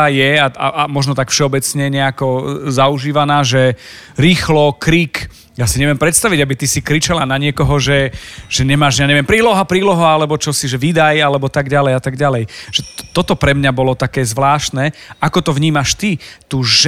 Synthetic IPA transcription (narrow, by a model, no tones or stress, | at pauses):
jɛaa̰ʔamɔʒnɔt̪akfʃɛɔbɛt͡sɲɛɲɛakɔzauʒiːʋanaːʒɛɾiːxlɔkɾiːk | jasiɲɛʋɪɛmpɾɛt̪st̪aʋiɟabit̪isikɾit͡ʃalanaɲɪɛkɔɦɔʒɛʒɛɲɛmaːʒjaɲɛʋɪɛmpɾiːlɔɦapɾiːlɔɦɔalɛbɔt͡ʃɔsiʒɛʋid̪ajalɛbɔt̪aɡɟalɛjat̪aɡɟalɛjʒ̥ɛt̪ɔt̪ɔpɾɛmɲabɔlɔt̪akɛːzʋlaːʃt̪nɛʔakɔt̪ɔʋɲiːmaʃt̪it̪uːʒ